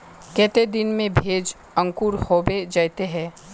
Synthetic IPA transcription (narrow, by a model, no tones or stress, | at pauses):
kɛːt̪ed̪ɪnmẽbʱeːd͡ʒ | ə̃ŋkuːɾhoːbed͡ʒaːjt̪eɦɛ̃ː